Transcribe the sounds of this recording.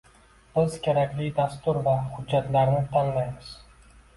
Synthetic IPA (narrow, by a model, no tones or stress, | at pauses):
b̥ɪzkʲʰe̞ɾakʲlijd̪ast̪uɾvahʊd͡ʒːat̪laɾnɪt̪ʰanlajmɨz̥